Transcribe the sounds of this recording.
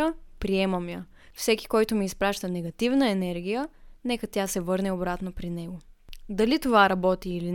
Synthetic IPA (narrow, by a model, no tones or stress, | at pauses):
əpɾiɛməmjə | fsɛki̥kɔjt̪ʊmiːspɾaʃt̪ənɛɡɐt̪ivnəɛnɛɾɡ̟ijənɛkət̪ʲjasɛvɤɾnɛobɾat̪nopɾinɛɡod̪ɐlit̪ovaɾɐbɔt̪iːlin